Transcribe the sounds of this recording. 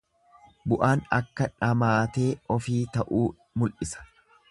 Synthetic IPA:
bʊʔaːnɐkːɐᶑɐmaːt̪e̞ːɔfiːt̪ɐʔuː | mʊlʔɪsɐ̥

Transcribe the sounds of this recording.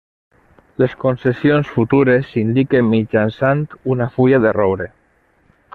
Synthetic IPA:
leskonsesionsfut̪uɾesind̪ikemmːid͡ʒansant̪unafuʎaðerowɾe

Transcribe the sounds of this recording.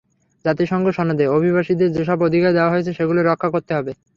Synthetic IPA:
d͡ʑat̪iʃɔŋɡoʃɔnod̪eobʱiβaʃid̪eɾd͡ʑeʃɔbod̪ʱikaed̪eoaɦoet͡ɕʰeʃeɡuloɾɔkʰːakoɾt̪eɦɔbe

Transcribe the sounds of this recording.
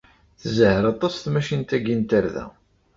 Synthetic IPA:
θzəhɾɑt̪ˤɑsθmæʃint̪æɡint̪aɾðæ̰

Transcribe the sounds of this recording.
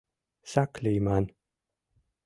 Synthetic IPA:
sakliːman

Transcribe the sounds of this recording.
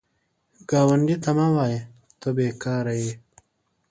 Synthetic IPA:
ɡ̥aːwɐɳɖit̪ɐmawaːje | t̪obeːkaːɾɐji

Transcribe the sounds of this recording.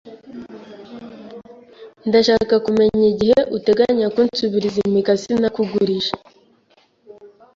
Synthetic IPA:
ndaʃaːkakume̞ɲiɟiheʔute̞ɡaɲakunsuβiɾizimikasinakuɡuɾiʃḁ

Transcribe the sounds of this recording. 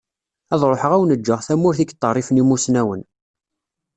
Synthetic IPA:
æðˤɾˤoħəʁæwnəd͡ʒːəʁθæmːʊɾθiɡt̪ˤːərˤːifnimusnæwən

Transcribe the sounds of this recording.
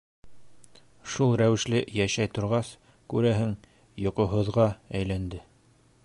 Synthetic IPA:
ʃulˠɾæwɘ̆ʃlɘjæʃæjt̪ŏɾʁɑs | kʉɾæɦɘŋ | jŏqŏɦŏðʁɑæjlænd̪ɘ

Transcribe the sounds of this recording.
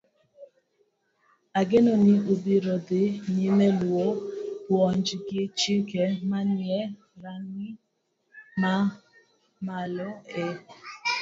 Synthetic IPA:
aɡenɔnɪʔubiɾod̪ɪnɪmɛlwopwɔɲd͡ʒɡet͡ʃekɛmanjɛ | ɾaŋɪ | ma | malɔe

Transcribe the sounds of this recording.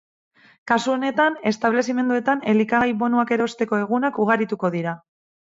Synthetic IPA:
kasuo̞ne̞t̪ane̞st̪aβ̞le̞sime̞nd̪ue̞t̪ane̞likaɣajβo̞nuake̞ɾo̞st̪e̞ko̞e̞ɣunakuɣ̞aɾit̪uko̞ðiɾa

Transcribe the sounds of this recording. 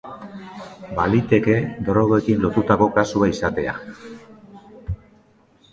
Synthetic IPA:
balit̪e̞ke̞d̪o̞ɾoɣoe̞kinlo̞t̪ut̪ako̞kasuaisat̪e̞a̰

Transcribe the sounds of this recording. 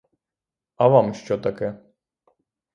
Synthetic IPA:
avamɕt͡ʃɔt̪akɛ

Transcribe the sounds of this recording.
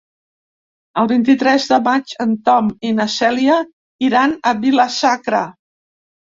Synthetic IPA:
əlˠβint̪it̪ɾɛzðəmat͡ʃənt̪ɔminəsɛliə | iɾanəβiləsakɾə

